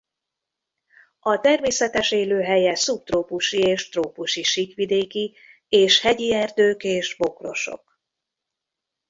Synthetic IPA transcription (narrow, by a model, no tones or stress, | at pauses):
ɒt̪ɛrmeːsɛt̪ɛʃeːløːɦɛjɛsup̚t̪roːpuʃieːʃt̪roːpuʃiʃikʋid̪eːki | eːʃhɛɟiɛrd̪øːkeːʒbo̞kro̞̰ʃo̞̰k